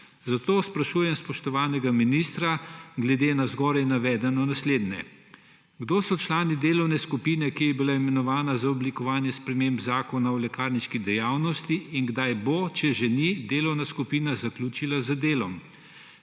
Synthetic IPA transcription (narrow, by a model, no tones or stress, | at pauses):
zat̪oːspɾaʃuːjɛmspɔʃt̪ɔʋaːnɛɡaminist̪ɾaɡlɛd̪eːnazɡɔːɾajnaʋɛːd̪ɛnɔnasleːd̪nɛ̰ | ɡd̪oːsɔt͡ʃlaːnid̪eːlɔwnɛskupinɛkijɛbilaimɛnɔʋaːnazaɔblikɔʋaːnjɛspɾɛmembzaːkɔnawlɛkaːɾniʃkid̪ɛjaːwnɔst̪iːŋɡd̪ajbot͡ʃɛʒɛnid̪eːlɔwnaskupiːnazaklʲuːt͡ʃilazad̪eːlɔm